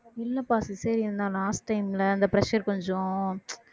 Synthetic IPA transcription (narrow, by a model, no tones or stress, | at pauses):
ɪlːɐpaːsisɐɾiɾɯnd̪aːlaːsʈːɐɪmlɐɐnd̪ɐpɾɐʃɐɾkɔɲd͡ʒɔ̃